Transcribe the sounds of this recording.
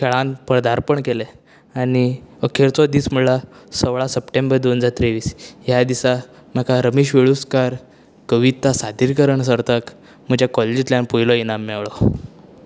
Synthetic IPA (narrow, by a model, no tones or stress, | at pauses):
kʰeɭanpɾəd̪aɾpəɳkele | añiəkʰeɾt͡sɔd̪iːsm̤uɽlasəʋɭasəpʈembəɾd̪onəd͡zaɾt̪ɾeʋiːsjad̪isam̤əkaɾəmiɕʋeɭuskaɾ | kəʋit̪asad̪ʱiɾkəɾəɳs̬əɾt̪ak | m̤əd͡ʑjakɔled͡ʑit̪ljãnpujlɔinamːɛʋɭɔ